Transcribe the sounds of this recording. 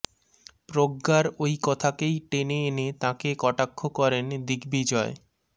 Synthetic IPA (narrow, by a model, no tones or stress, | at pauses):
pɾoɡːaɾojkɔt̪ʰakejʈeneenet̪ãkekɔʈakʰːokɔɾend̪iɡbid͡ʑɔe